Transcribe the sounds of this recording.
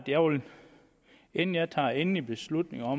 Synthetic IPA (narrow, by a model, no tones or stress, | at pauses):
d̥jæʊln | enn̩jɑt͡sʰɑ̰̈ːenlib̥e̝slud̥ne̝ŋɒ̽